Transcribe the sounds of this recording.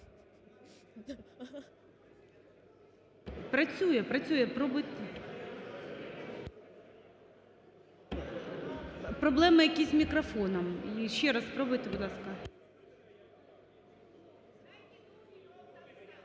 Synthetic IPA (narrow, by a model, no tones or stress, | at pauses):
pɾɐt͡sʲujɛpɾɐt͡sʲujɛpɾɔbʊjt̪ | pɾɔblˠɛmɪjɐkʲizʲmʲikɾɐfɔnɔmiʃʲːɛɾaspɾɔbʊjt̪ɪbʊd̪lˠɑskɐ